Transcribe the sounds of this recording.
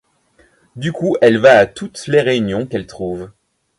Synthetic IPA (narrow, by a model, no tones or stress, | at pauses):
d̪ykuɛlvaːt̪ut̪leʁeynjɔ̃kɛlt̪χuv